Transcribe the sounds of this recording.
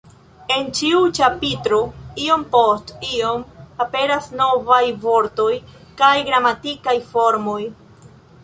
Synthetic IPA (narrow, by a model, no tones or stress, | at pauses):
e̞nt͡ʃiut͡ʃapitɾoio̞mpostiomape̞ɾasno̞vajvo̞ɾto̞j | kajɡɾamatikajfo̞ɾmoj